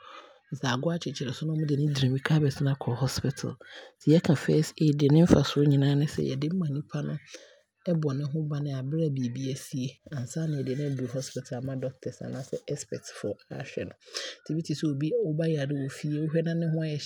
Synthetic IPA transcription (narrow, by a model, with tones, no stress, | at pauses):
n̩˨sa˨ɡʊ˦a˦t͡ɕʰɪ˨t͡ɕʰɪ˨ɾɛ˨sʊ˦nʊ̃˦mʊ̃˦dɪ˨nɪ̃˦dɾĩ˨mi˦kʰa˦bɛ˨snã˦kʰɔ˨hɔ˦spɪ˨tʰa̰˨lsʰi˨˦ɛ˦kʰã˨fɛ˦se˨˦dɪ˨e˨nɪ̃˦m̩˦fa˨sʊ˦ɲĩ˨nãː˦nʊ̃˦sɛ̰˦˨jɛ̰˨dɪ˦m̩˦mã˨nĩ˦pʰa˦nʊ̃˦ | ɛ˦bɔ˨nɪ̃˦ɦʊ̃˦ba˨nɪ̃˦a˨bɪ˦ɾa˦˨bi˨bi˦ɛ˨si˦e˦ã˨n̩˨sa˦nɪ̃˨ɛ˨dɪ˨nɪ̃˦du˨hɔ˦spɪ˨tʰa˨la˨mã˦dɔ˦k̚tʰɛ˨sã̰˨nã˦sɛ˦ʔɛ˦spɛ˨tfɔ˨a˦˨ɕᶣɛ̰˨nʊ̃˨tʰi˨bi˦tʰi˨sɛ˦o˨bi˦ɔ˦ba˦jɛ˨a˨dɪ˦wo˨fi˦e˦o˦hᶣɛ˦nã˦nɪ̃˦hʊ̃˦a˦jɛ˨